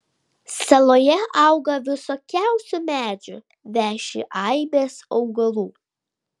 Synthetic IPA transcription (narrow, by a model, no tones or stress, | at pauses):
sɐlˠoːjɛʔɑˑʊɡɐʋʲɪsɔːkʲæˑʊsʲʊmʲæːd͡ʒʲʊ̰ | ʋʲæːʃʲɪ̰ʔɑɪbʲeːsɒʊɡɐlˠuː